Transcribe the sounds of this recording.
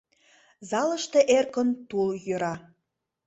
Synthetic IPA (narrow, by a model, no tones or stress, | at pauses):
zɑlə̆ʃt̪eʔerkə̆nt̪uljøɾɑ